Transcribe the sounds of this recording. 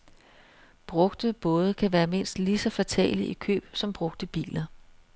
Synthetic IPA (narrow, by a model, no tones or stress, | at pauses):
b̥ʁɔ̽ɡ̥d̥əb̥ɔ̽ːð̞ˠəkʰæʋæːɐme̝n̰sd̥lisɒ̽fæt͡sʰɛ̰ːliʔikʰø̰ːb̥sɒ̽mb̥ʁɔ̽ɡ̥̚d̥əb̥ḭːlɐ